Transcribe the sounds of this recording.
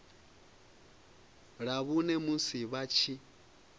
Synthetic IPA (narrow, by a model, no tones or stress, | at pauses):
ɺaβunɛmunsiβat͡ʃʰi